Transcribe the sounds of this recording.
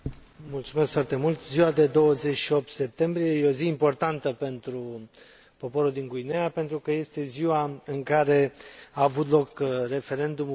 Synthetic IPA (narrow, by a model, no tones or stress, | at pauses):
mult̪sume̞skfoart̪e̞mult̪ziwad̪e̞d̪o̞wəze̞t͡ʃʃio̞p̚t̪se̞p̚t̪e̞mbɾije̞jeo̞ziimpo̞rt̪ant̪əpe̞nt̪ɾu | po̞po̞ɾuld̪iŋɡuineapent̪ɾukəje̞st̪e̞ziwaɨŋkaɾe̞aːvut̪lo̞kre̞fe̞ɾe̞nd̪um